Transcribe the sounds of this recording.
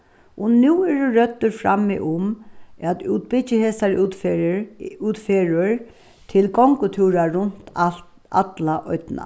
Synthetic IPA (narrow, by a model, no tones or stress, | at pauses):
ʔɔnuːɛuɹœt̪ːəɾfɾa̰mːɪ̰ʔʊmæt̪uːt̪̚bɪt͡ɕəheːsaɹt̪f | ʉːt̪feːɹʊɹ | t̪ʰɪlɡɔŋkʊt̪ʰuːɾaɾʊnt̪a | a̰t̪laʔɔt̪na̰